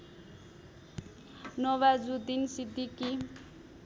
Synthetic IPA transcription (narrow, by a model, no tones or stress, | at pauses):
nʌwad͡zud̪insid̪iki